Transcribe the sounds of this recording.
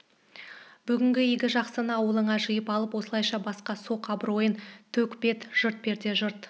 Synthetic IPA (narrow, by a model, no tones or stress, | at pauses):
b̥ʏɡʲɪŋɡʲɪiɡʲɪʒɑqsənɑwəlˠəɴɑʒəjəpɑlˠəpwo̞səlˠɑjʃɑbɑsqɑso̞qɑbɾo̞jənt̪ʰɵkpe̞t̪ʒ̥əɾt̪̚pe̞ɾd̪e̞ʒəɾt̪